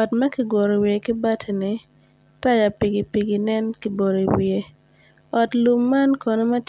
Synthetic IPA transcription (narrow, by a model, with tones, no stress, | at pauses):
ɔ˨tmɐ˦ki˨ɡwɔ˨ɾo˨wie˨ki˦ba˦tʰe˨nɪ˨ | ta˦ja˨pi˨ɡi˨pi˨ɡi˨nɛ˦nki˨˦bo˨ɾo˨i˨wie˨˦ | ɔ˨tlu˨mːa˦nkɔ˨no˦ma˦t